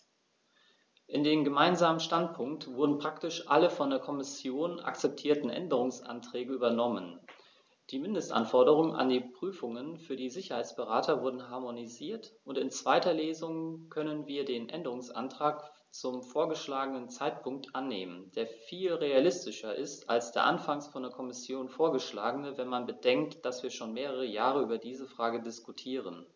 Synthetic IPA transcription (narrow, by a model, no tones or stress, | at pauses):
ʔɪndeːmɡəmaɪnzaːmənʃtantpʰʊŋk̚tv̥ʊɐdn̩pʁ̥aktɪʃʔa̰ləfɔndeːɐkʰɔmɪsjoːna̰kt͡sɛp̚tʰiːɐtn̩ʔɛ̰ndəʁ̞ʊŋsʔa̰ntʁ̥ɛːɡəyːbɐnɔmə̰n | d̥iːmɪndəstʔa̰nfɔɐdəʁ̞ʊŋənʔa̰ndiːpʁ̥yːfʊŋənfyːɐdiːzɪçɐhaɪt͡sb̥əʁaːtʰɐvʊɐdn̩ɦaɐmoniziːɐtʔʊntɪnt͡sv̥aɪtɐleːzʊŋkʰœnənviːɐdeːnʔɛ̰ndəʁʊŋsʔa̰ntʁ̥aːk | t͡sʊmfoːɐɡəʃlaːɡənənt͡saɪt̚pʰʊŋk̚tʔanːeːmənd̥eːɐfiːlʁealɪstɪʃɐʔɪstʔa̰lsd̥eːɐʔanfaŋsfɔndeɐkʰɔmɪsjoːnfoːɐɡəʃla̰ːɡənəvɛnmanbəd̥ɛŋktd̥asv̥iːɐʃoːnmeːʁəʁ̞əjaːʁ̞əyːbɐdiːzəfʁ̥aːɡədɪskutʰiːʁ̞ən